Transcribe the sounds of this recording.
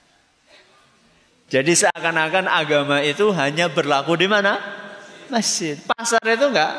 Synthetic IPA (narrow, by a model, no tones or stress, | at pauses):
d͡ʒadisəakanakanaɡamait̪uɦaɲabərlakudimana | məsɪt̪̚pasarit̪uŋɡaʔ